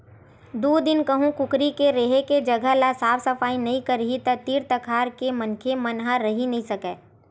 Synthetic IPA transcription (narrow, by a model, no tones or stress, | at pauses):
d̪uːd̪ɪnkəɦũkʊkɾikeɾeɦeked͡ʒɐɡʱəɦlasaːfʰsɐfaːinɐɦĩkəɾɦit̪ɐt̪iːɾt̪əkʰaːɾkemɐnkʰemɐnɦaɾɐɦinɐɦĩsɐkɛː